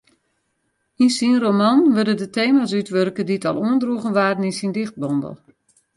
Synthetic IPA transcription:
insinromanʋørdədətʰeːmas̬ytʋørkədiətɔ̰lˠuəndruəɣənʋaːrəninsindɪxt̚bɔndə̰lˠ

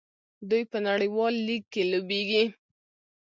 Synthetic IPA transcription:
d̪ujpənaɽəjwɑlːikːelobeɡi

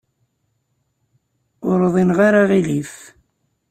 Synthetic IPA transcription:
ʊɾðˤinʁaɾaʁilif

